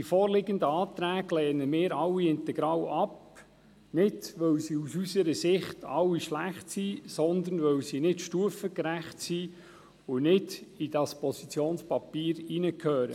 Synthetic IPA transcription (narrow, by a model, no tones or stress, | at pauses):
d̥ifɔːrlɪɡənd̪əɑːt̪ɾæːɡlɛːnəmɪːɾɑwːiɪnt̪ɛɡ̥ɾɑːwɑp | nɪdʋœwsiːusysəɾəsɪχt̪ʰɑwːiʃlæχtsiːsɔnd̪ənʋœwsiːnɪtʃtuəfəkɾæχtsiː | ʊnɪdid̥ɑspɔsit͡sjoːnspɑpiːɾinəkʰøːɾə